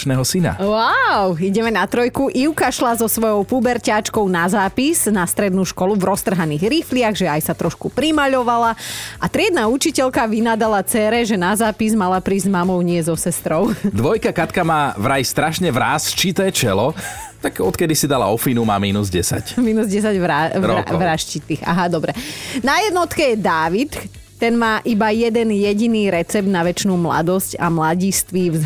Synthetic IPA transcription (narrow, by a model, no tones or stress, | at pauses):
nɛːɦɔsina̰waʊiɟɛmɛnat̪ɾɔjkuʔiʊkaʃlazɔsʋɔjɔʊpubɛɾcaːt͡ʃkɔʊnazaːpiznast̪ɾɛd̪nuʃkɔluvɾɔst̪r̩ɦaniːɣɾiflɪaɣʒɛajsat̪ɾʔɔʃkupɾimaʎɔʋalaʔat̪ɾɪɛd̪naut͡ʃicɛʎkaʋinad̪alat͡sɛːɾɛʒɛnazaːpizmalapɾiːzzmamɔʊɲɪɛzɔsɛst̪ɾɔʊd̪ʋɔjkakat̪kamaːʋɾajst̪ɾaʃɲɛʋɾaːst͡ʃit̪ɛːt͡ʃɛlɔt̪aɡɔt̪kɛd̪isid̪ala̰ɔfinuma̰ːmiːnuzɟɛsa̰cmiːnuzɟɛs̬aɟʋɾaɔaʋɾaʃt͡ʃit̪iːxa̰ɦad̪ɔbɾɛnajɛd̪nɔt̪kɛjɛd̪aːʋit̪ | t̪ːɛnmaːʔibajɛd̪ɛnjɛɟiniːɾɛt͡sɛb̚d̪naʋɛt͡ʃnuːmla̰d̪ɔsca̰mlaɟist̪ʋivz